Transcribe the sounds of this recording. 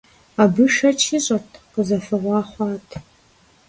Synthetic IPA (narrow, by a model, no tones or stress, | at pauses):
abɨʃɐt͡ʃʰiɕʼɐtʰqəzɐfɨʁʷɑːχʷɑːtʰ